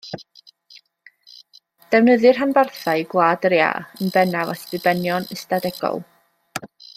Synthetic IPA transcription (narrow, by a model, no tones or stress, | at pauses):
d̥ɛwnəðɨrɦanbarθaɨɡwaːdəɾja̰ənbɛnavasðɨbɛnjɔnəstadɛɡ̥ɔ̰lˠ